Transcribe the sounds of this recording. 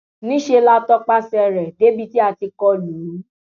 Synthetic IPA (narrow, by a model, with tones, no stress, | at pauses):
nĩ˦ʃe˧la˦tɔ˦k͡pa˦sɛ˧˨ɾɛ˨de˨˦bi˦ti˦a˧ti˧kɔ˧lu˨˦